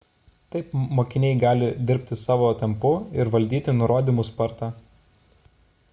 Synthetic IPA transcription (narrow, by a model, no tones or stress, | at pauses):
t̪ɐɪpmoːkʲɪnʲɛɪɡɑːlʲɪd̪ʲɪɾʲpʲt̪ʲɪsɑːʋoːt̪ʲɛmpʊɪɾʋɐlʲd̪ʲiːt̪ʲɪnʊɾoːd̪ʲimʊspɐɾt̪ɑː